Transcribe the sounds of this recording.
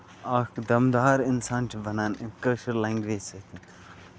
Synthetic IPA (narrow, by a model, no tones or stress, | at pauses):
aːkd̪ɐmd̪aːɾɪnsaːnt͡ʃʰibɐnaːnikəːʃəɾlẽːŋɡʋeːd͡ʒsɐt̪ʰin